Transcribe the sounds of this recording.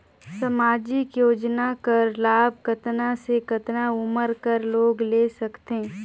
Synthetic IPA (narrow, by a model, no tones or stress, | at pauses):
sɐmaːd͡ʒɪkjoːd͡ʒnakəɾlaːb̚kət̪nasekɐt̪naʊməɾkəɾloːɡleːsɐkt̪eː